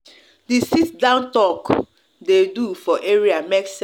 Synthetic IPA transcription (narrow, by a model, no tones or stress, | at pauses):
disitdãʊ̃ntɔk | dedufɔʔeɹiameks